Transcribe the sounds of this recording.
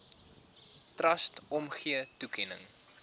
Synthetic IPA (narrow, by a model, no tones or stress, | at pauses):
trɐstɔmχiətukʰɛnəŋ